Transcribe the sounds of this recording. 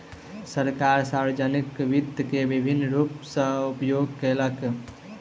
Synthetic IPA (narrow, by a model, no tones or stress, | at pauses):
səɾkaɾsaɾbed͡ʒənikʋid̪kebibʱinːɾupsə̃upjoɡ̚kelək